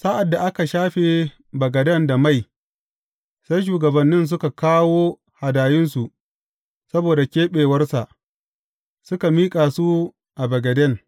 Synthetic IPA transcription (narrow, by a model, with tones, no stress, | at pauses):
sa˦ʔa˨dːa˨ʔa˦ka˨ʃaː˦ɸe˨ | bɐ˨ɡɐ˨dɐ˦nda˨ma˦˨j | sa˦jʃ̬uː˨ɡɐ˨bɐ˨nːɪ˦ns̬ʊ˦ka˨kaː˦woː˦ | ha˨daː˨jɪ˦nsu˨ʔ | sɐ˦boː˨da˨kʲeː˦ɓeː˨wɐ˦rsa˨ʔ | sʊ˦ka˨miː˦kʼaː˨su˦ | ʔa˨bɐ˨ɡɐ˨dɐ˦˨ŋ